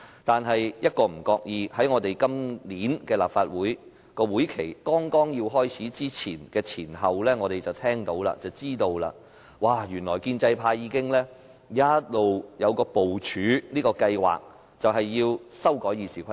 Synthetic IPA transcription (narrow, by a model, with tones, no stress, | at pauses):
t̪aː˨nɦɐ˨jjɐ˥t̚kɔː˧m̩˨˩kɔː˧k̚jiː˧hɐ˨˥jŋɔː˨˧t̪e˨jkɐ˥mliː˨˥nkɛː˧la̰ː˨pfaː˧t̚wuː˨˥j | kɔː˧wuː˨˥jkʰe˨˩jkɔː˥ŋkɔː˥ŋjiː˧wɦɔː˥jt͡sʰiː˨˥t͡siː˥t͡sʰiː˨˩nkɛː˧t͡sʰiː˨˩nɦɐ˨wlɛː˥ŋɔː˨˧ɾe˨jt͡sɐ˨wt̪ʰɛː˥ŋt̪o˨˥wla̰˧t͡sɐ˨wt͡siː˥t̪o˧wla̰ː˧ | waː˨˩jyː˨˩nlɔ̰ː˨˩jkiː˧nt͡sɐ˧jpʰaː˧jjiː˨˧kɪ˥ŋlɛː˥ | jaː˥t̚lo˨wjɐ˨˧wkɔː˧po˨wt͡ʃʰyː˨˥niː˥kɔː˧kɐ˧jwa̰ː˨k̚ | t͡sɐ˨wɦɐ˨jːiː˧wsɐ˥wkɔː˨˥jiː˨˧siː˨˩kʰʷɐ˥